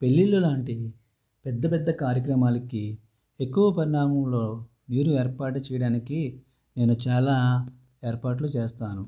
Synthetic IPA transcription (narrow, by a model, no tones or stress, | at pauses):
pe̞lːilːulaːɳʈi | pɛd̪ːɐpɛd̪ːɐkaːɾjɐk̬ɾɐmaːlɐki | ekːuʋɐpɐɾiɳaːmɐmlo̞ː | miːɾueːɾpaːʈut͡ʃɛːjɐɽaːniki | ne̞ːnut͡ʃaːlaː | e̞ːɾpaːʈlut͡ʃeːst̪aːnu